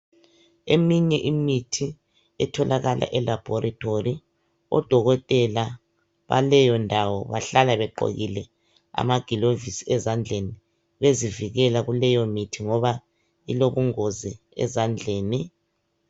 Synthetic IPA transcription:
emiɲɛʔimitʰi | ɛtʰɔlʔaɣalʔa̰ʔɛlab̥ʱɔɾitʰʼori | ɔ̰d̥ʱɔɣɔtʼɛla | βa̰lɛjɔndʱawɔβaɬalaβɛǃo̰ɣilɛ | a̰maɡ̥ʱilovisiɛzand͡ɮʱeni | βeziviɣɛlaɣulɛjɔmitʰiŋɔβa | iloβuŋozi | ɛ̰zand͡ɮʱeːni

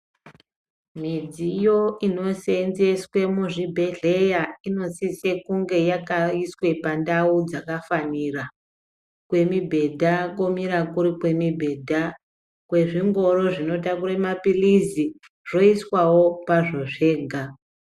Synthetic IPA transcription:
mid͡zijo̞ino̞se̞nze̞swe̞muʐibʱe̞ɮe̞jaino̞sise̞kuŋɡe̞jakaiswe̞pandaud͡zakafaniːra | kwe̞mibʱe̞dʱako̞miɾakuɾikwe̞mibʱe̞dʱa | kwe̞ʐiŋɡo̞ro̞ʐino̞takuɾemapilizi | ʐo̞iswawo̞paʐo̞ʐe̞ːɡʱa

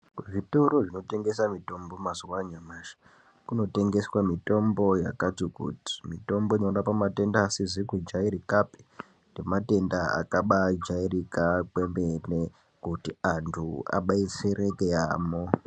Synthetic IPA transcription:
keʐitoɾoʐino̞te̞ŋɡe̞samito̞mbo̞maziwaɲamaːʃḁ | kuno̞te̞ŋɡe̞swamito̞mbo̞ja̰kad͡zukṵti̥mito̞mbo̞ɲorapamate̞ndaːsizikud͡ʒaiɾikape̥ | ndemate̞ndaa̰kaɓad͡ʒairikakwembene | kutiantʰua̰ɓait͡serekeaːmo

